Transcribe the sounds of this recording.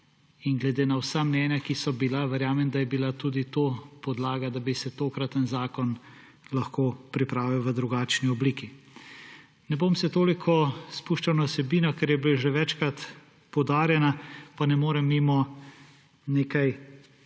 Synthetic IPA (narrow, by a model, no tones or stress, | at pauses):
inɡlɛd̪eːnawsamnɛːnjakisɔbilaʋɛɾjaːmɛmd̪ajɛbilat̪uːd̪it̪oːpɔd̪laːɡad̪abisɛt̪oːkɾat̪ənzaːkɔn | lɐxkoːpɾipɾaːʋiwʋəd̪ɾuɡaːt͡ʃniɔbliːki | nɛbomsɛt̪oːlikʰɔspuʃt͡ʃawnawsɛbiːnɔkɛɾjɛbileʒɛʋɛt͡ʃkɾat̪ | pɔwd̪aːɾjɛnapanɛmoːɾɛmːimɔ | neːkaj